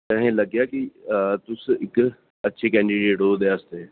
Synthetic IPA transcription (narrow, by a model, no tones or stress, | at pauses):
t̪ɐɦẽlɐɡjakit̪ʊsɪk | ɐtːʃʰekɛ̃ɳɖiɖeːʈɦod̪east̪eː